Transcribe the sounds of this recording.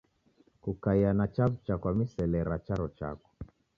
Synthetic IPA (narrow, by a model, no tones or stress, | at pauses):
kukaianat͡ʃavt͡ʃakwamisɛlɛɾat͡ʃaɾɔt͡ʃa̰kɔ̥